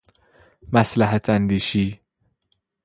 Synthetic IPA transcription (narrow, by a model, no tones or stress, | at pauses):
mæslæɦæt̪ʰænd̪iːʃiː